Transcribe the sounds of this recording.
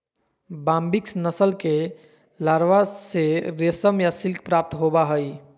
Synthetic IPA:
bãmbiksnəsəlke | laɾʋaseɾesəmjasilkʰpɾap̚t̪ɦobaɦəj

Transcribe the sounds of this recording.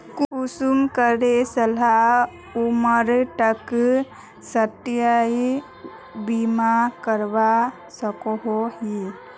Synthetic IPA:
kusumkəɾesəla | uməɾʈək | səʈ̪ijai | bimakəɾba | səkoɦoɦi

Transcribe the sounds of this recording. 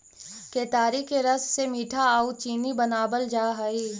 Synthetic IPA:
keːt̪aːɾikeɾɐssemiːʈʰaaːut͡ʃiːnibɐnaːbəld͡ʒaːɦɐiː

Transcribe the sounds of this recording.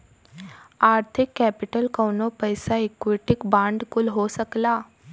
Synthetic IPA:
aɾt̪ʰikːɛpiʈəlkəwnopəjsaekʋiʈikbãɳɖkulɦosəkla

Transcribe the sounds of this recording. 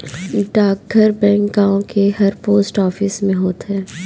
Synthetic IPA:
ɖaːkɡəɾbɛ̃ːŋkɡaːõkehɐɾpoːsʈɔːfɪsmẽɦoːt̪ɦɛː

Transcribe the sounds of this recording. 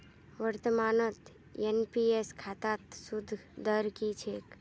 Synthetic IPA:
ʋəɾt̪əmaːnət̪ | enpieskʰaːt̪at̪sʊd̪ʱd̪əɾkit͡ʃʰek

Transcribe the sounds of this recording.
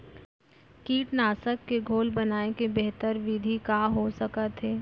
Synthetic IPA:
kiːʈnaːsəkːeɡʱoːlbɐnaːekebɛɦt̪əɾʋid̪ʱikaːɦosəkət̪ɦeː

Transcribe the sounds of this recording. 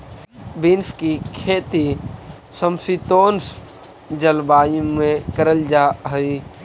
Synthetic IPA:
bɪnskikʰeːt̪i | səmsit̪oːns | d͡ʒəlbaːjmẽkəɾəld͡ʒaːɦəi

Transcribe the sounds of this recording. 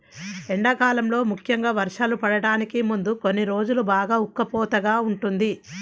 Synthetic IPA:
eɳɖɐkaːlɐmlo̞ːmukʰjɐŋɡaːʋɐɾʂaːlupɐɽɐɽaːnikimund̪uko̞nːiɾo̞ːd͡ʒulubaːɡaːukːɐpɔːt̪ɐɡaːuɳʈund̪i

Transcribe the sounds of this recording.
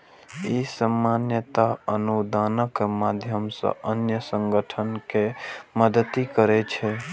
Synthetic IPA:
isəmːanjət̪aənud̪anəkmad̪ʱjəmsə̰̃ənjəsəŋɡəʈʰənkeməd̪ət̪ikəɾɛt͡ʃʰɛ

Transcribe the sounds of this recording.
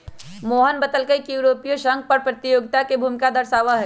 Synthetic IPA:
moːɦənbɐt̪əlkəikijuɾoːpijoʃɐ̃ŋɡ̚pɐɾpɾɐt̪ɪjoːɡɪt̪akebʱuːmɪkad̪ɐɾʃaːʋaɦɛ

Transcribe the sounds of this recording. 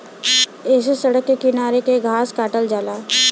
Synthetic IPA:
eːsesɐɽəkːekɪnaːɾekeɡʱaːskaːʈəld͡ʒaːlaː

